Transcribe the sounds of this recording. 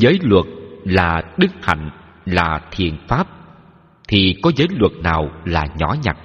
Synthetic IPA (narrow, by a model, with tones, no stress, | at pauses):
zəː˨˦jlwə˨˩t̚laː˨˩ɗɨ˦˥k̚ha̰˨˧˨jŋ̟ | laː˨˩t̪ʰi˨˩ənfaː˦˥p̚ | t̪ʰi˨˩kɔ˨˦zəː˨˦jlwə˨˩t̚naː˨˩wlaː˨˩ɲɔ̰˧˦ɲa˨˩k̚